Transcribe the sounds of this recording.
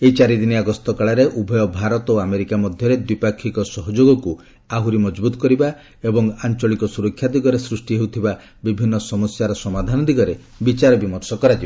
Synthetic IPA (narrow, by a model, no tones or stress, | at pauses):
eit͡ʃaɾid̪iniaɡɔst̪ɔkaɭaɾeʔubʱɔjɔbʱaɾɔt̪oameɾikamɔd̪ʱjɔɾed̪wipakʰːikɔsɔɦɔd͡ʒoɡɔku | aɦuɾimɔd͡ʒbut̪ɔ̥kɔɾiba | ebɔŋant͡ʃɔɭikɔsuɾɔkʰːjad̪iɡɔɾesɾusʈiɦewt̪ʰiba | bibʱinːɔsɔmɔsjaɾɔsɔmad̪ʱanɔd̪iɡɔɾe | bit͡ʃaɾɔbimɔɾsɔkɔɾad͡ʒib